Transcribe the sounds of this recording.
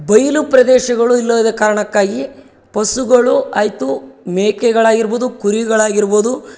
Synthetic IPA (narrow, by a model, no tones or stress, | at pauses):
bɐjlupɾɐd̪ɛːʃɐɡɐɭuilːɐʋɐd̪ekaːɾɐɳɐkːaːɡi | pɐsuɡɐɭuaːjt̪umeːkɛɡɐɭaːɡiɾbod̪ukuɾiɡɐɭaːɡiɾboːd̪u